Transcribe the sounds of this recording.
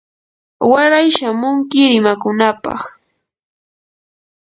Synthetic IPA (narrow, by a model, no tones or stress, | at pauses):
waɾajʃamʊŋkɪɾɪmakʊnapɑ̰χ